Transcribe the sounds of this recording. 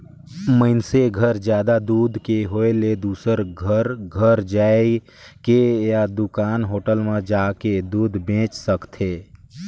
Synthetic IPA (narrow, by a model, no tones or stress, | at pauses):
məɪnseɡʱəɾd͡ʒjaːd̪ad̪uːd̪ʱkeɦoːeled̪uːsəɾɡʱəɾɡʱəɾd͡ʒaːe | kejad̪ʊkaːnɦoːʈəlmẽd͡ʒaːked̪uːd̪ʱbẽːt͡ʃsəkt̪ʰeː